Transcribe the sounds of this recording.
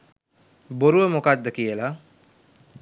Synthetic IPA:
boɾuʋəmokad̪ːəkijəla

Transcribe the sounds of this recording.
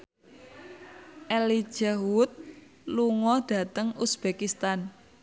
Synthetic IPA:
ʔɛli̥ʒ̥awʊt̪̚ | luŋɔd̪̥ä̤t̪əŋusb̥ekist̪an

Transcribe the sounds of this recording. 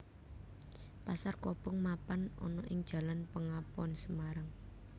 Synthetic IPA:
pasarkɔpɔŋmapanɔ̰nɔʔɪŋd̥ʒ̥ä̤lanpəŋapɔnsəmaɾaŋ

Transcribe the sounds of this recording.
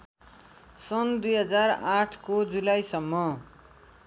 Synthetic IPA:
sʌnd̪ujɦʌd͡zaraʈʰkod͡zulajsʌmːʌ

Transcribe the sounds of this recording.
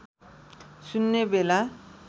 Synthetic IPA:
sunːebela

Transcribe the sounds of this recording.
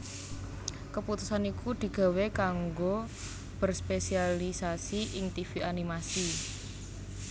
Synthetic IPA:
kəput̪usanikud̪̥i̤ɡ̥a̤wekaŋɡo | b̥ə̤rspesialisasiʔɪŋt̪ifiʔanimasi

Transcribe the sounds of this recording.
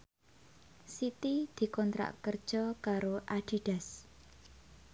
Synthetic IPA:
sit̪id̪̥i̤kɔnt̪ɾa̰ʔkərd̥ʒ̥ɔkaɾoʔaɖ̥i̤ɖ̥a̤s

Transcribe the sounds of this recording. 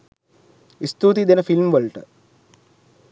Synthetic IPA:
ist̪uːt̪id̪enəfilmʋəlʈə̰

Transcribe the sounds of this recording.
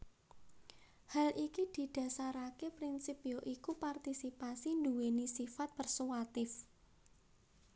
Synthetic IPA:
halʔikid̪̥i̤d̪̥ä̤saɾakepɾinsipioʔikupart̪isipasind̪uwenisifat̪̚pərsuwat̪ɪf

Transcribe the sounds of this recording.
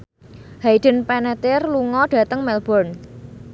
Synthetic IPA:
haiɖ̥ə̤npɛnɛt̪ɪrluŋɔɖ̥ä̤t̪əŋmɛlb̥ɔrn

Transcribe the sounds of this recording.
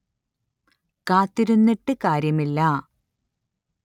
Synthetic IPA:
kaːt̪ːiɾunːiʈːɨkaːɾjɐmilːɐ

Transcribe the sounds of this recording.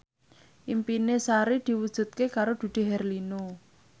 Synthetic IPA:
ʔimpinesaɾid̪̥i̤wud̥ʒ̥ṳt̪̚kekaɾod̪̥ṳd̪̥e̤ɦɛrlinu

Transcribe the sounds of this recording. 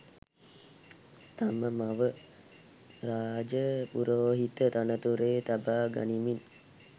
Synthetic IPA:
t̪aməmaʋə | ɾaːd͡ʒəpuɾoːɦit̪ət̪anət̪uɾeːt̪abaːɡa̰nimin

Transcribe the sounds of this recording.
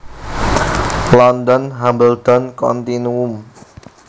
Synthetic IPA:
lɔndɔnɦambəlt̪ɔnkɔ̰nt̪inuum

